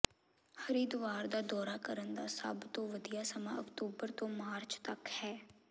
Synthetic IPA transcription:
həɾiːd̪ʊʋaːɾd̪aːd̪ɔːɾaːkəɾənd̪aːsə̰bt̪õːʋəd̪ɪjaːsəmã̰ːəkt̪uːbəɾt̪õːmaːɾt͡ʃt̪əkhɛː

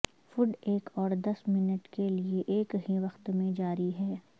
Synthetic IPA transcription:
fʊɖeːkɔːɾd̪ɐsmɪnəʈkelieʔeːkɦiʋɐxt̪mẽd͡ʒaːɾiɦɛː

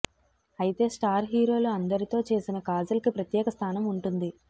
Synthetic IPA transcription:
ɐjit̪e̞ːsʈaːɾɦiːɾo̞ːluɐnd̪ɐɾit̪o̞ːt͡ʃe̞ːsinɐkaːd͡ʒɐlɐkipɾɐt̪jɛːkɐst̪ʰaːnɐmuɳʈund̪i

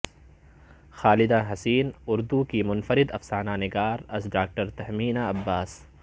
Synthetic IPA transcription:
xaːlɪd̪aɦɐsiːnʊɾd̪ukimʊnfəɾɪd̪ɐfsaːnaːnɪɡaːɾɐsɖaːk̚ʈəɾt̪ɐɦmiːnaɐbːaːs

